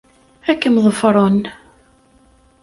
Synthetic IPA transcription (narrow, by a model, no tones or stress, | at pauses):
ækːəmðˤəfɾˤon